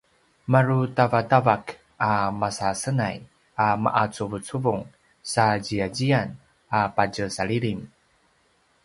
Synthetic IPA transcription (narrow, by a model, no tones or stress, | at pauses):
maɾutavatavak | amasasənaj | ama̰ʔat͡suvut͡suvuŋ | saɟiad͡ʑian | apaɟəsaɭiɭim